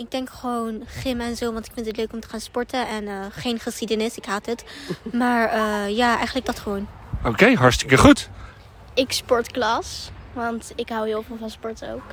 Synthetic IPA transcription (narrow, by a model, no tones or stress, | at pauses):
ɪɡ̚dɛŋkχəʋownχɪmɛnzowʋɑntɪkfɪntətløɥkɔmtə̥χaːnspɔɹtəɛnəːχejnχəsχidənɪsɪkɦaːtətmaːɹəːjaːɛ̰jχənləɡ̚dɑtχəʋown | okejɦɑɹstɪ̥kəχut | ɪkspɔɹtklɑsʋɑntɪkɦawɦɪːlˠvɪːlˠvɑnspɔɹto̰wk